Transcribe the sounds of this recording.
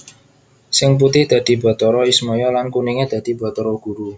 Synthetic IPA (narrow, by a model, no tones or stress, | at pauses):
sɪŋp̬ut̪ɪhd̪̥ä̤d̪̥i̤ba̤t̪ɔɾɔismɔjɔlankuniŋed̪̥ä̤d̪̥i̤ba̤t̪ɔɾɔɡ̥ṳɾu